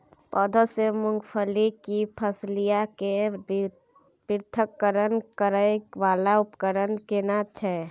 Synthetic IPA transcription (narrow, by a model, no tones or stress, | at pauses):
pɔd̪ʱəsemʊŋɡpʰəlikipʰəslijake | piɾt̪ʰəkːəɾənkəɾəjʋalaupkəɾənkenat͡ʃʰɛ